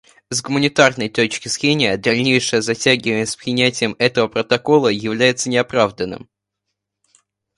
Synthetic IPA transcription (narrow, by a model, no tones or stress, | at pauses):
zɡʊmənʲɪt̪arnəjt̪o̞t͡ɕkʲɪzɾʲenʲɪjəd̪ɐlʲnʲejʂɨjəzɐtʲæɡʲɪvənʲəspɾʲɪnʲætʲɪjəmɛt̪əvəpɾət̪ɐko̞lˠəjɪvlʲæjɪt̪sənʲɪɐpɾavd̪ənːɨ̰m